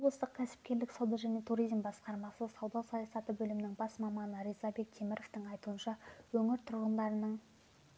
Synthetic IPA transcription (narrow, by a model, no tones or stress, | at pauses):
oblˠəst̪əq̚kʲʰæsɪ̥p̚kʲe̞ɾd̪ɪksɑwd̪ɑʒæne̞t̪ʰuɾijzmbɑsqɑɾmɑsəsɑwd̪ɑwsɑjɑsɑt̪əbɵlɪmɪnɪŋbɑsmɑmɑnəɾijzɑbe̞k̚t̪ʰemɪɾo̞ft̪əɴɑjt̪uənʃɑwɵŋɪɾt̪ʰʊɾʁənd̪ɑɾənəɴ